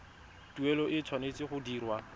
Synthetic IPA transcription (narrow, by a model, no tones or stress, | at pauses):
tuɛlɔʔɪt͡sʰwanet͡sʼɪχʊdiːrwa